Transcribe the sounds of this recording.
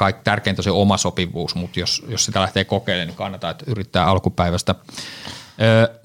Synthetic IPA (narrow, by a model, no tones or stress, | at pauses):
kɑikt̪ærkeint̪æseomɑsopiʋˑuːsmut̪josjossit̪ælæht̪eːkokeilːˑeːnikɑnːɑt̪ɑːet̪yrit̪ːæːɑlkupæiʋæst̪æ | øː